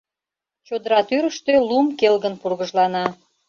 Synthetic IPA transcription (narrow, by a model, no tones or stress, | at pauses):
t͡ɕod̪əɾɑt̪yɾəʃt̪ølumkelɣənpurɣəʒlɑnɑ